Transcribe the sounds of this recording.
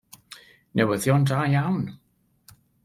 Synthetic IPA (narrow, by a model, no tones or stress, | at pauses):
nʔɛwəðjɔndaːjawn